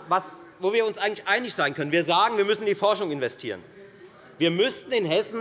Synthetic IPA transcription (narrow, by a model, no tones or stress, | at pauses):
vas | voːviːɐʊnsʔaɪɡŋ̩tlɪçʔaɪnɪçz̥aɪnkʰœnənviːɐzaːɡŋviːɐmʏsn̩diːfɔɐʃʊŋɪnvɛstʰiːʁ̞ən | viːɐmʏstn̩ɪnɦɛsn̩